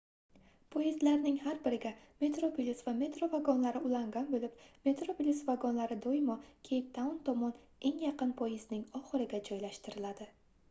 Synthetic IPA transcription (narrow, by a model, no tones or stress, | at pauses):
pʰojizlaɾnɪŋhaɾbɪɾɪɡʲame̞t̪ɾopʲilʲisvame̞t̪ɾo̞vaɡɒnlaɾɪʊlaŋɡʲanbolɪp̚me̞t̪ɾopʲilʲisvaɡɒnlaɾɪd̪ojmɒkʲʰejp̚t̪ʰaʊnt̪ʰɒmɒne̞ŋjaqɨnpʰojɪznɪŋɒχɨɾɪɡʲad͡ʒɒjlaʃt̪ɪɾɪlad̪ɪ